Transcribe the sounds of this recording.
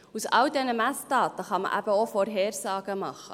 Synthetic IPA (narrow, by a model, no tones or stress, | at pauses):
usɑldɛnəmæsdɑːtəχɑmə̰ʔæ̰b̥əofɔɾɦɛːrsɑːɡ̥əmɑχə̰